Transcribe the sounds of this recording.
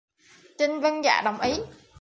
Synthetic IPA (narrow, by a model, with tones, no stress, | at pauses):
t͡ɕi˧nvə˧nza̰ː˧˩ɗə˨˩wŋ͡mʔi˨˦